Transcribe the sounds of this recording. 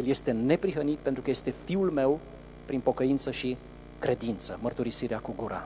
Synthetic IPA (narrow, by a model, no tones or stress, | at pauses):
elje̞st̪e̞ne̞pɾiɦənit̪̚pent̪ɾukəje̞st̪e̞fiulme̞w | pɾinpo̞kəint̪səʃi | kɾe̞d̪int̪səmərt̪uɾisiɾeakuɡuɾa̰